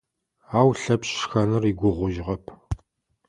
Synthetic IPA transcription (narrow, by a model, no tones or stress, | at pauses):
aːwɬɐpɕxɐnɨriɡʷʊʁʷʊʒʁɐpʰ